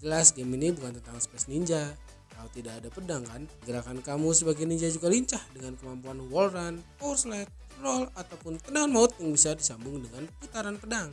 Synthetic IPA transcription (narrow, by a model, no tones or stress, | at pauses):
d͡ʒəlasɡeminibukant̪ənt̪aŋspɛsniɲd͡ʒa | t̪aut̪idakːdapədaŋkanɡəɾakankamusəbaɡaniɲd͡ʒad͡ʒuɡaliɲt͡ʃahdəŋankəmampuanwɔlɾanpɔrslɛt̪̚kəɾɔlat̪awpʊnt̪əndaŋanmaʊt̪̚jaŋbisadisambʊŋdəŋanput̪aɾanpədaŋ